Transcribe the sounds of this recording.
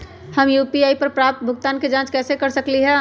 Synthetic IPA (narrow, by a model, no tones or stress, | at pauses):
həmjupiaːipəɾpɾap̚t̪̚bʱʊɡ̚t̪aːnked͡ʒãːt͡ʃkɛːsekəɾsəkliɦɛ̃